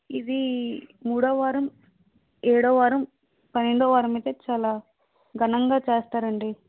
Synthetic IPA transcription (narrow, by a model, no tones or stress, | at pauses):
id̪imuːɽɐːʋaːɾɐm | ɛːɽɐːʋaːɾɐm | pɐnɦeɳɖoːʋaːɾɐmit̪eːt͡ʃaːlaː | ɡʱɐnɐŋɡaːt͡ʃeːst̪aːɾɐɳɖi